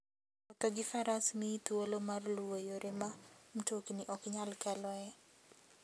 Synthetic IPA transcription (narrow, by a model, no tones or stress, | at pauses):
ɔt̪ɔɡɪfaɾasmit̪uolomarluwojoɾemam̩tokniʔɔkɲalkɛlɔɛ